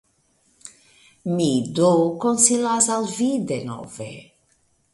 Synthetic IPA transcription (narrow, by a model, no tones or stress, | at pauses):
mid̪okonsilazalvid̪eno̰vḛ